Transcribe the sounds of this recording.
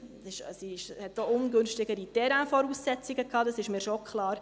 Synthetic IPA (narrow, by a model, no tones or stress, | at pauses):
ɪʃsiɪʃhɛtːoʊnɡʏnʃtɪɡəɾitɛɾãfɔɾuːsːɛt͡siɡəkʰɑːdɑsɪʃmiːɾʃokʰχlɑːɾ